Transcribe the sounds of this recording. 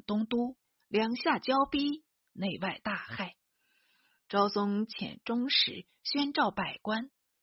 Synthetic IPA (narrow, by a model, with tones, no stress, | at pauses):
t̪ʊ˥ŋt̪u˥ | ljɑ˧˥ŋɕja˥˧˩t͡ɕjɑ˥ʊpi˥ | ne˥˧ɪwa˥˧ɪt̪a˥˧xa˥˩ɪ | ʈ͡ʂɑ˥ʊsʊ˥ŋt͡ɕʰjɛ̰˧˩nʈ͡ʂʊ˥ŋʂɻ̩̰˧˩˥ | ɕɥɛ˥nʈ͡ʂɑ˥˩ʊpa˨˩ɪkwa˥n